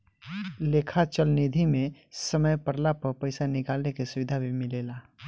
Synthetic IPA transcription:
leːkʰat͡ʃəlnid̪ʱimẽsəməjpəɾlapəɾpəɪsanɪkaːlnekesʊʋɪd̪ʱabʱimɪleːla

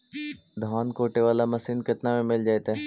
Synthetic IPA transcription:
d̪ʱaːnkoːʈeʋaːlamɐsiːnkɪt̪namẽmɪld͡ʒaːet̪aɦɛː

